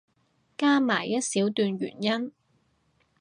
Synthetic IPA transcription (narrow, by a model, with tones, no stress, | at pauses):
kaː˥maː˨˩jɐ˥t̚siː˨˥wt̪yː˧nɥy̰ː˨˩njɐ˥n